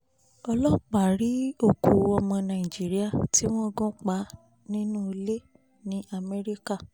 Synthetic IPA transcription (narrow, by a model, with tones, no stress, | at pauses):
ɔ˧lɔ˦k͡pa˨ɾi˨˦o˦˨ku˨ɔ˧mɔ̃˧nã˨i˨d͡ʒi˨˦ɾi˦a˦˨ti˦w̃ɔ̃˦ɡũ˦k͡pa˨˦ | nĩ˦nũ˦˧le˦ | nĩ˦a˨mɛ˧ɾi˦ka˦˨